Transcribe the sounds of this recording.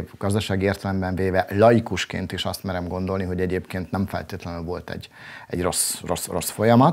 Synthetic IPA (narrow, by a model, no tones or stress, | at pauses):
vɡ̥ɒzd̪ɒʃaːɡieːrt̪ɛlɛmbɛɱveːvɛlɒjikuʃkḛːnt̪iʃɒst̪mɛɾɛmɡo̞nd̪o̞lniɦo̞ɟɛɟeːpkeːnt̪nɛɱfɛ̰lt̪eːt̪lɛnylvo̞lt̪ɛ̰ɟɛ̰ɟro̞sro̞sro̞sfo̞jɒmɒt̪